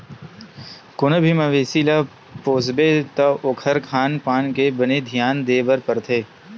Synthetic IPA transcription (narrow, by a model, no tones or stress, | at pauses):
kʊnəbʱimɐʋeːsiːla | poːsbet̪ɐʔokʰəɾkʰaːnpaːnkebəned̪ʱijaːnd̪eːbəɾpəɾt̪ʰeː